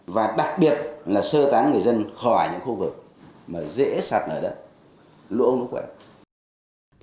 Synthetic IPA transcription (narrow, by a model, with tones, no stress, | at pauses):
vaː˨˩ɗa˨˩k̚ɓi˨˩ət̚laː˨˩səː˧t̪aː˨˦nŋɨ˨˩əjzə˧nxɔ˧˩jɲɨ̰˧˥ŋxu˧vɨ˨˩k̚ | maː˨˩zḛ˧˥saː˨˩t̚ʔəː˧˩ɗəː˨˦ | lṵ˧˥˨ʔə˧wŋ͡mnṵ˦˧˦kwɛ̰˧˩